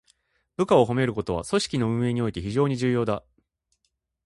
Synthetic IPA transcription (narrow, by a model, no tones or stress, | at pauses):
b̥ɯ̟kao̞ɦo̞me̞ɾɯ̟ko̞t̪o̞βa̰so̞ɕi̥kʲino̞ɯ̟̃ɰ̃e̞ːɲ̟io̞it̪e̞çiʑo̞ːɲ̟id͡ʑɨːjo̞ːd̪a